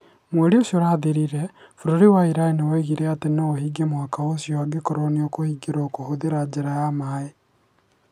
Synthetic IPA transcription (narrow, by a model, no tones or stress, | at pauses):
mweɾioʃoɾaːðeɾiɾɛfuɾoɾiwaiɾaeniwɛɣiɾɛatenoohiɡemwakaosjoaɡekoɾoniokohiɡeɾoːkohoðeɾad͡ʒeɾajamae